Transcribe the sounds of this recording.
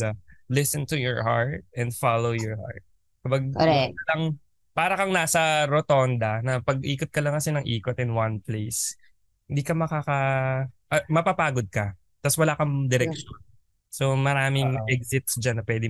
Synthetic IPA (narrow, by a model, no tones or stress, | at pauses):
alɪsɛnt̪ʊjɔɹhaɹt̪̚ɛ̃nd̪falowjɔɹha̰ɹt̪̚ | kɐbaɡ̚ɐlɐŋ | paːɾɐkɐŋnaːsɐɾot̪ond̪ɐnɐpɐɡ̚ʔiːkot̪̚kɐlɐŋkɐsɛnɐŋʔiːkot̪ɪnwanplejs | hɪnd̪iːkɐmɐkaːkɐʔɐmɐpapaːɡod̪̚kɐ | t̪aswɐlaːkɐŋd̪ɛɾɛkʃon | somɐɾaːmɪŋʔɛk̚sɪt̪̚sd͡ʒanːɐpwɛːd̪ɪ